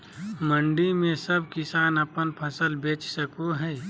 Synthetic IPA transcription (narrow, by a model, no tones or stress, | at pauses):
mə̃ɳɖimẽsɐb̚kɪsaːnɐpənpʰɐsəlbeːt͡ʃsəkoɦɛː